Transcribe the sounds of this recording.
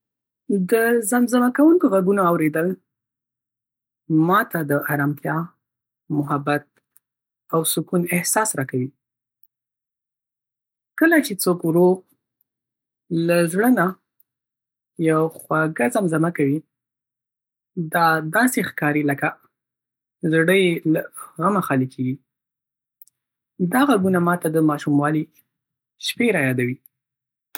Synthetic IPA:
d̪əzamzamakawuŋkoɣaɡunaawɾed̪əl | mɑt̪ad̪əʔaɾɑmt̪ʰjɑ | mʊɦabat̪̚ | awsʊkunɪhsɑsɾɑkawi | kəlat͡ʃet͡sokwɾo | lazɽəna | jawxwaɡazamzamakawi | d̪ɑd̪ɑsexkɑɾiləka | zɽəjlaɣamaxɑlikʰeɡi | d̪aɣaɡunamɑt̪ad̪əmɑʃumwɑli | ʃpeɾajɑd̪awi

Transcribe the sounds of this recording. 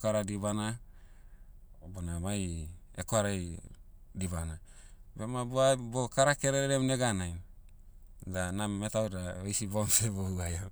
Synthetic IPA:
kaɾadiβana | bonamajḛkoaɾa | dibana | bemaboabokaɾakeɾeɾɾemneɡanaj | danammetawdaejsibomsebohuaja

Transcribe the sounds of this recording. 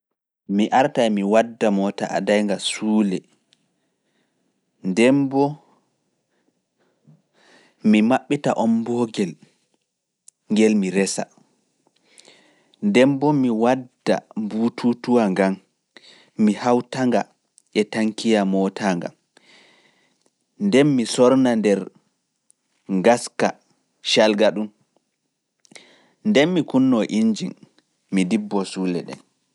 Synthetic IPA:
miʔaɾtajmiwadːamɔtaa̰dajŋɡasuːlɛ | ndɛmbɔ | mimaɓːitaʔɔmbɔɡɛl | ŋɡɛlmiɾɛsa̰ | ndɛmbɔmiwadːa̰mbuːtʰutuwaŋɡamː | ihawtaŋɡa | ʔɛtaŋkijamɔtʰaŋɡa̰m | ndɛnmisɔɾnandɛɾ | ɡaska | ʃalɡaɗum | ndɛnmikunːɔʔiɲd͡ʒin | midibːɔsulɛɗɛ̰n

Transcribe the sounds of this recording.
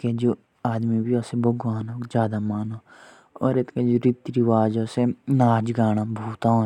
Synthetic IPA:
ked͡ʒoː | aːd̪mibʱiɔːseboːɡaːnɦoːd͡ʒjaːd̪amaːnoː | ɔːɾet̪ked͡ʒoɾit̪ɾiʋaːd͡ʒɔsenaːd͡ʒɡaːɽ̃abʱuːt̪aɦo

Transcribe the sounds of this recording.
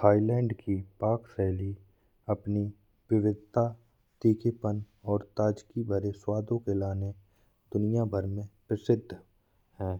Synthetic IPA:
aːilɛ̃ːɳɖkipaːksɛːli | ɐpni | ʋɪʋɪd̪̚t̪a | t̪iːkepən | ɔːɾt̪aːd͡ʒkibʱɐɾeswaːd̪õkelaːne | d̪ʊnɪjabʱəɾmẽpɾəsɪd̪ʱː | ɦɛ̃ː

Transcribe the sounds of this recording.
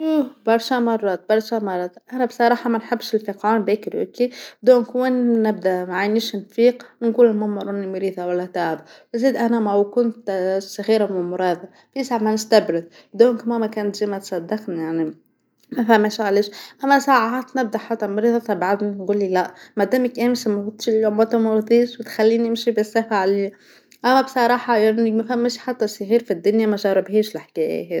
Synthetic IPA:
ʃuːbɑɾˤʃamɑrˤːɑːt̪̚bɑɾˤʃɑmɑrˤːɑːt̪ʔænæbsˤɑɾˤɑːħɑmænħɪbːʃɪlfiqʕɑːnbeːkɾḛkid̪oːnkwɪnːɪb̚d̪aʔmaʕajniːʃnfiːqnɡuːlɪlmʊmʊɾˤʔʊnimɾiːðˤɑwalːæt̪aːʕabwziːd̪ʔænæmæwkʊnt̪saɣiːɾamʊmʊɾɑːðˤɑ | fisaʕmænɪst̪abɾɪð | d̪oːnkmomækæːnt̪ʒiːmæt̪sˤɑd̪ːɑqnijaʕni | mæfæmːæʃʕaleːʃʔæmːæsaːʕaaːt̪nɪb̚d̪aħat̪ːæmʊɾiːðˤɑfabaʕad̪ninɡuːlːilæʔmad̪æːmækʔæːmsmʊt̪ːˤʃlːʊmwæt̪umʊɾðˤiːʃwɪt̪xælːiːniɪmʃibɪsːɑfaʕliː | ʔæmːæbsˤɑɾˤɑːħɑjanimæfhæmːæʃħat̪ːasːaɣiːɾfid̪ːʊnjamæʒɑɾɪbɦiːʃlɪħkæːjæ̰ɦe

